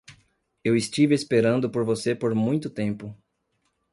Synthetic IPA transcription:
ewɪst͡ʃivɪespeɾɐ̃nd̪ʊpoɾvosepoɾmũj̃t̪ʊt̪ẽmpʊ

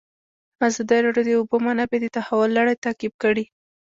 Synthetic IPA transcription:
azɑd̪iɾɑɖjod̪əʊbomanabed̪ət̪ahawʊlːaɽajt̪akib̚kəɽi

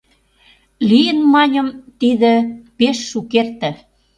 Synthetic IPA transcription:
lijənmɑnʲə̆mt̪iðə̆peʃːukert̪ĕ

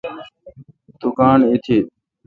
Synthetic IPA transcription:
d̪̥ʊkaːnit̪ʰiː

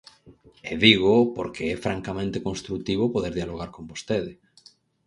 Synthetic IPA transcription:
eðiɣopoɾkʰeɛfɾaŋkamẽnt̪ekonst̪ɾukt̪iβ̞opoðeɾðjaloɣ̞aɾkombost̪eðe

